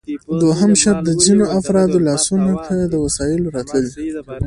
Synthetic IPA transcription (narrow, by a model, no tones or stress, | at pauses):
d̪waɦəmʃaɾ̚d̪əzinoafɾɑd̪olɑsunakʰad̪əwasɑjɪloɾɑt̪ləli